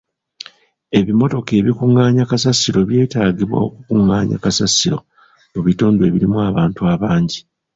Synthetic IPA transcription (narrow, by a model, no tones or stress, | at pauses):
e̞βimo̞to̞ke̞ːβikuŋaːɲakasasiɾo̞βje̞ːtaːɟiβwa̰okukuŋːaːɲa̰kasasiɾo̞̰ | muβituːndwe̞βiɾimuaβaːntuaβaːɲɟi